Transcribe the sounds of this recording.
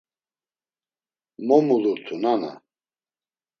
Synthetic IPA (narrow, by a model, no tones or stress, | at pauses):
mɔmuluɾt̪ʰunana̰